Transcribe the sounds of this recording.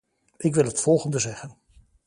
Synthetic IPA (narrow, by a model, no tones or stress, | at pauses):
ʔɪkʋɪlˠɦətfɔlˠχəndəzɛχən